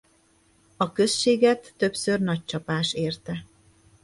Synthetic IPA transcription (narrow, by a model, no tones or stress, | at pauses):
ɒkø̞st͡ʃeːɡɛt̪ːø̞psø̞rnɒc̚t͡ʃɒpaːʃeːrt̪ɛ